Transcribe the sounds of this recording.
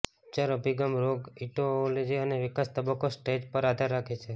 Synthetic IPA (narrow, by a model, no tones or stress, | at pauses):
t͡ʃaɾəbʱiɡamɾoɡiʈoled͡ʒiəneʋikast̪əbəkːosʈed͡ʒpəɾad̪ʱaɾːakʰet͡ʃʰe